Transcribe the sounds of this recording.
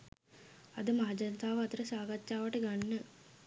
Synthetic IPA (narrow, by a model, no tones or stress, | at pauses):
ɐd̪ɯmaːd͡ʒɐnt̪ʰaːʋɐt̪ɾɐsaːɡɐt͡ʃːaːʋɐʈːɯɡɐɳːɯ